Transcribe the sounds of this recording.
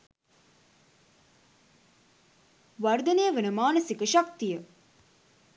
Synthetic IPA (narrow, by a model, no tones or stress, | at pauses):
ʋɐrd̪ɐneːəʋənəmaːnəsikəʃak̚t̪ijə